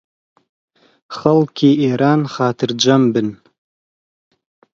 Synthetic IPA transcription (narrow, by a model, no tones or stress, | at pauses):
χɐlkʲʰieɾanχaːtʰɨrd͡ʒʷambɨn